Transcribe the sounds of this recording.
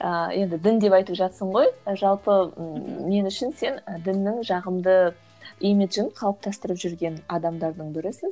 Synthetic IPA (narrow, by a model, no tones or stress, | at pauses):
əje̞nd̪ɪd̪ɪnd̪e̞pɑjt̪əpʒɑt̪səɴʁo̞jʒɑlˠpəme̞nʏʃɪnse̞nəd̪ɪnːɪŋʒɑʁəmd̪ə | emet̪ʒʏnqʰɑlˠp̚t̪ʰɑst̪əɾəpʒʏɾɡʲe̞nɑd̪ɑmd̪ɑɾd̪əɴbɪɾɪsɪz